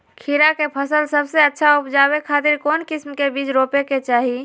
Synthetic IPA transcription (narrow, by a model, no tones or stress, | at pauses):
kʰiɾakepʰəsəlsəbseətːʃʰaupd͡ʒaβekʰat̪iɾkoːnkismkebid͡ʒɾopeket͡ʃaɦi